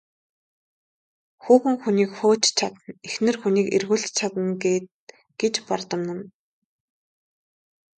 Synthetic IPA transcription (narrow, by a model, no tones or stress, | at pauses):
xuːxɘ̆ŋxuniːkxoːt͡ɕt͡ɕʰat̪ə̆nexnɘ̆rxuniːkḛrɣuːɮt͡ɕʰat̪ə̆nɡeːt̪̚ | ɡ̥et͡ɕpart̪ə̆mnə̆n